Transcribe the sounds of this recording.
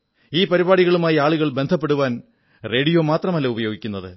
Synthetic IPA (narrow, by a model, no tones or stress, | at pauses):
iːpɐɾibaːɽiɣɐɭumaːjiaːɭuɣɐɭbe̞nd̪ʱɐp̬ːe̞ɽuʋaːn | re̞ːɽijo̞ːmaːt̪rɐmɐlːɐubɐjo̞ːɡikʲːunːɐðɨ